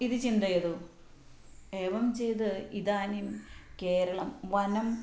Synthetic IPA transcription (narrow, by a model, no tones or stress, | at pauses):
iðɨt͡ɕind̪ɐjɐðu | e̞ːʋɐmt͡ɕe̞jt̪ɨiðaːnimke̞ːɾɐɭɐmʋɐnɐm